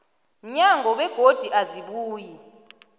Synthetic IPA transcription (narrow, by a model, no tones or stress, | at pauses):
ɲaŋʱɔɓɛɡ̥ʱod̥ʱiʔaziɓuːji